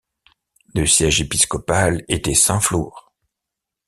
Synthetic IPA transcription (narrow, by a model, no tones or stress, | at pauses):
d̪əsjɛʒepiskɔpalet̪ɛsɛ̃fluːʁ